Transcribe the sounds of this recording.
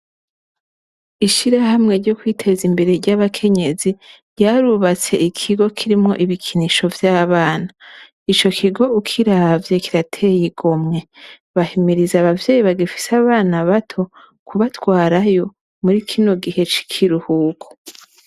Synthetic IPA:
iʃiɾahamŋe̞ɾɟo̞kwitʰe̞zimbe̞ɾe̞ɾɟaβakʰe̞ɲe̞ziɾɟaːɾuβat͡se̞ʔikʰiɡo̞kʰiɾimŋo̞̰ʔiβikʰiniʃo̞vjaːβaːna | it͡ʃo̞kʰiɡo̞ukʰiɾavjekiɾatʰe̞jiɡo̞mŋe̞ | βahimiɾizaβavjeːjiβaɡefi̥saβaːnaβatʰo̞ | kuβatwaːɾajo̞ | muɾikʰino̞ɡihe̞t͡ʃi̥kʰiɾuhuːkʰo̥

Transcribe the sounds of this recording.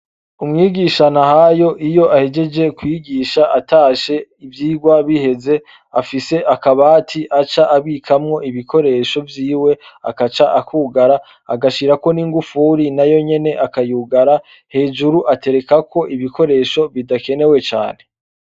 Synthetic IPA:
umŋiːɡiʃanahajo̞ʔijo̞ʔahe̞d͡ʒe̞d͡ʒe̞kwiːɡiːʃaʔataʃe̞ivjiːɡwaβihe̞ze̞ | afise̞ʔakaβaːtʰiʔat͡ʃaʔaβiːkʰamŋo̞ʔiβikʰo̞ɾe̞ːʃo̞vjiːwe̞a̰kat͡ʃaʔakuːɡaɾa̰ː | ɡaʃiɾako̞niːŋɡufuɾinajo̞ɲe̞ne̞ʔakajuːɡaɾa | he̞ːd͡ʒuɾuʔate̞ɾe̞kakʰo̞ʔiβiko̞ɾe̞ʃo̞βidake̞ne̞we̞t͡ʃa̰ːne̞

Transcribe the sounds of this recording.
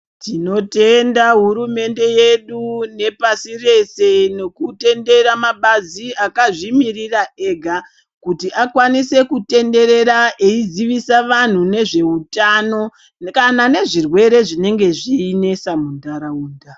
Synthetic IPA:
tino̞te̞ndaɦuɾume̞nde̞je̞ɗune̞pasire̞se̞ne̞kute̞nde̞ɾamaɓaziakaʐimirirae̞ːɡʱa | kutiakwanise̞kute̞nde̞ɾe̞ɾaʔeid͡ziʋisaʋan̤une̞ʐe̞utano̞ | kanane̞ʐirwe̞ɾe̞ʐine̞ŋɡe̞ʐiːne̞samundaɾauːnda

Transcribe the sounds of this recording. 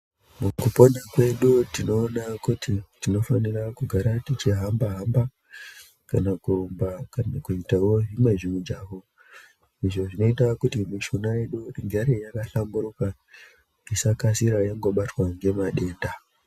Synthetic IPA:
mukupo̞nakwe̞ɗutino̞ːnakutitino̞fanirakuɡʱaɾatit͡ʃiɦambaɦamba | kanakumbakankuitawo̞ɦimwe̞ʐimud͡ʒaːʋo̞ | iʐo̞ʐino̞itakutimiʃunaje̞ɗuiŋɡaɾejakaɬambuɾuka | isakasiɾajaŋɡo̞ɓatwaŋɡe̞maɗe̞ːnda

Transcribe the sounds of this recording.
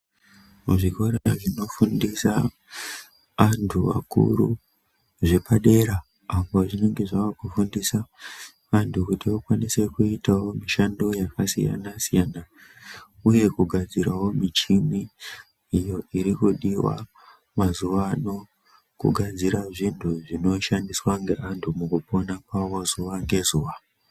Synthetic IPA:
muʐiko̞ɾeaʐino̞fundisa | ʋantʰuʋa̰kṵɾṵ | ʐe̞paɗe̞ɾa | apo̞ʐine̞ŋɡe̞ʐaʋakufundisa | ʋantukutiʋakwanise̞kuitawo̞miʃando̞jakasḭja̰nasijana | uje̞kuɡʱad͡ziɾawo̞mit͡ʃimiː | jo̞ʔiɾikuɗiwa̰ | mazuʋaːno̞ | kṵɡʱad͡ziɾaʐintʰuʐino̞ʃandiswaŋɡe̞ʔantʰumukupo̞nakwawozuʋaŋɡe̞zuːʋa

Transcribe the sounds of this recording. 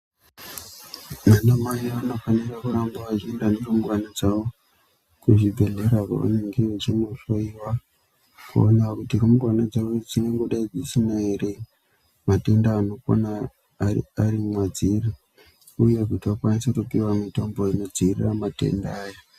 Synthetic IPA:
manamajiano̞fanirakuɾambaʋaʒindaneromuɡwanad͡zawo̞ | kuʐibʱe̞ɮe̞ɾaka̰a̰neŋɡeet͡ʃimoʂoiwa | kṵonewakutiromurwanad͡zaod͡zine̞ŋɡo̞ɗaid͡zisinaere | mate̞ndaːno̞ko̰na̰ | aɾimwad͡ziri | uje̞kutiwakwanisekupiwamito̞mboino̞d͡ziriramatḛndaːja

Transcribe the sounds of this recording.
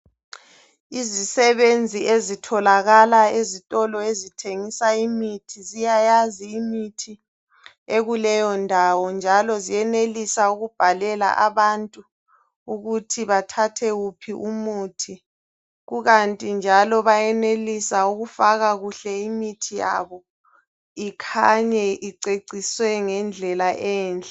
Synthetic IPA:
izisɛβend͡zʱiezitʰɔlaɣalaezitʼɔlɔezitʰeŋisaimitʰizijajaziːmitʰi | eɣulɛjɔndʱawɔnd͡ʒʱalɔzijɛnelisauɣub̥ʱalɛla̰ʔaβantʼu | uɣutʰiβatʰatʰɛɣupʰiʔumuːtʰi | ɣuɣantʼind͡ʒʱalɔβajɛnelisauɣufaɣaɣuɬɛimitʰija̰βɔ | ikʰaɲɛʔiǀeǀiswɛŋɛnd͡ɮʱɛlaʔɛːnt͡ɬʼɛ

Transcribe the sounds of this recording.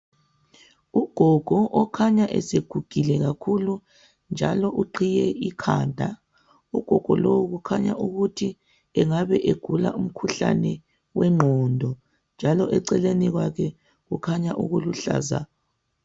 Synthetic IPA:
uɡ̥ʱɔɡ̥ʱɔʔɔkʰaɲaʔɛ̰seɡ̥ʱuɡ̥ʱilɛɣakʰulu | nd͡ʒʱa̰lɔʔuǃʰijɛikʰaːndʱa | uɡ̥ʱɔɡ̥ʱɔ̰lowuɣukʰaɲa̰ʔuɣutʰi | ɛŋaβɛʔeɡ̥ʱula̰um̩kʰuɬa̰nɛ | wɛŋ͡ǃʱɔndʱɔ | nd͡ʒʱalɔʔɛǀɛleniɣwakʰɛ | ɣukʰaɲaʔṵɣuluɬa̰ːza̰

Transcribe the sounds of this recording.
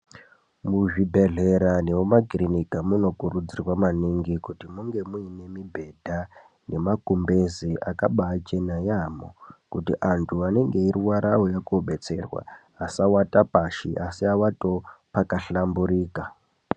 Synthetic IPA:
muʐibʱe̞ɮe̞ɾanewomakrinikamuno̞kuɾud͡zirwamaniŋɡikutimuŋɡe̞muine̞mibʱe̞dʱa | ne̞makumbe̞ziʔakaɓaːt͡ʃe̞najamo̰kutḭʔantʰuane̞ŋɡe̞iɾiwaɾʔawojakoɓe̞t͡se̞̰rwa̰ː | sawatapaʃḭʔasiawato̞pakaɬambuɾiːka

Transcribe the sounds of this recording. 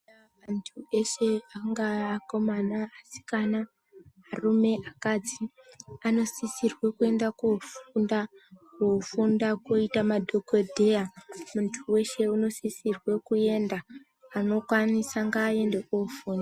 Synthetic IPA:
a | antʰue̞ʃeaŋɡaːko̞manaːsi̥kana | ɦarume̞ʔakad͡zi | ano̞sisirwekue̞ndakufundakofundakoitamadʱo̞kodʱejamuntʰuwe̞ʃe̞unosisirwe̞kue̞nda | ano̞kwanisaŋɡaːe̞ndekofuːna

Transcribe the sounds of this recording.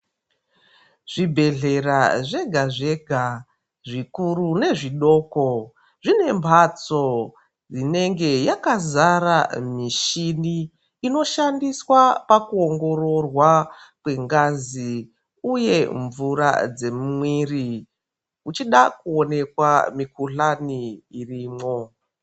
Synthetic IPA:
ʐ̥ibʱe̞ɮe̞raʐe̞ɡʱaʐe̞ɡʱa | ʐikurune̞ʐiɗo̞ːko̞ | ʐine̞mbʱat͡so̞ | d͡zine̞ŋɡe̞jakazaɾamiʃiniː | no̞ʃandiswapakuoŋɡo̞ro̞rwakwe̞ŋɡazi | uje̞ɱvuɾa̰d͡ze̞mumwiːri | ut͡ʃiɗakuo̞ne̞kwa̰mikʰuɬaniːriːmo̞

